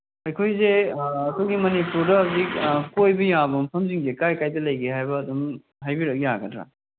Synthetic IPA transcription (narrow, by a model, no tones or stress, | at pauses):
ɐjkʰojzeɐkʰojɡimɐnipuɾdɐɦɐzik̚kojbɐjabɐmpʰɐmziŋzekajkajdɐlɐjɡeɦajbɐːdum | ɦajbiɾɐk̚ijaɡɐdɾa̰